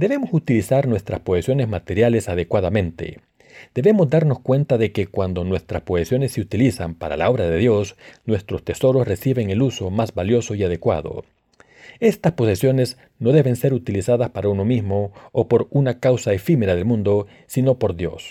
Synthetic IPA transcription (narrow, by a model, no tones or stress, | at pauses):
d̪e̞βe̞mosut̪ilisaɾnwe̞st̪ɾaspoesjo̞ne̞zmat̪e̞ɾjale̞saðe̞kwað̞amẽ̞nt̪ḛ | d̪̥e̞βe̞mo̞zd̪aɾno̞skwe̞nt̪aðe̞kekwand̪o̞nwe̞st̪ɾaspo̞esjo̞ne̞sːeut̪ilisampaɾa̰lao̞βɾaðe̞ðjo̞snwe̞st̪ɾost̪e̞so̞ɾosre̞siβe̞ŋe̞luso̞mazbaljo̞so̞iaðe̞kwa̰ðo̰ | e̞st̪aspo̞sesjo̞ne̞s | noðe̞βe̞nse̞ɾut̪ilisaðaspaɾauno̞mizmoːpo̞ɾunakawsaefime̞ɾaðelmũnd̪o̞ | sino̞po̞ɾðjo̞̰s